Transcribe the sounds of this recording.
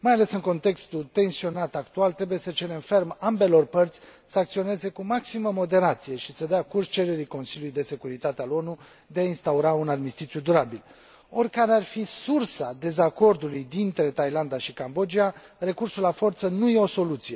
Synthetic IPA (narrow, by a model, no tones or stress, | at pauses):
majale̞sɨŋko̞nt̪e̞kst̪ut̪e̞nsio̞nat̪akt̪ualt̪ɾe̞buje̞sət͡ʃe̞ɾe̞mfe̞rmambe̞lo̞rpərt̪sʲ | səak̚t̪sio̞ne̞ze̞kumaksiməmo̞d̪e̞ɾat̪sije̞ʃisəd̪eakurst͡ʃe̞ɾe̞ɾiko̞nsiljulujd̪e̞se̞kuɾit̪at̪ealo̞nu | d̪e̞ainst̪auɾaunad̪mist̪it̪sijud̪uɾabil | o̞rkaɾearfisursad̪e̞zako̞rd̪ulujd̪int̪ɾe̞t̪ajland̪aʃikambo̞d͡ʒia | re̞kursulafo̞rt̪sənuje̞o̞so̞lut̪sije̞